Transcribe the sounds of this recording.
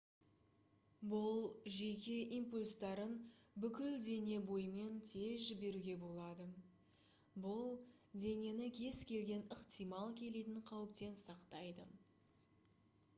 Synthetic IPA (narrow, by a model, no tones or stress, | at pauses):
bʊlˠʒe̞kʲe̞ʔimpulʲst̪ɑɾənbʏkʲɪld̪e̞ne̞bo̞jme̞nt̪ʰe̞zʒɪbe̞ɾuɡʲe̞bo̞lˠɑd̪ə | bʊlˠ | d̪ʲe̞ne̞nɪkʲʰe̞skʲe̞lɡʲe̞nəqt̪ijmɑlˠkʲʰe̞let̪ɪɴqʰɑwəp̚t̪e̞nsɑqt̪ɑjd̪ə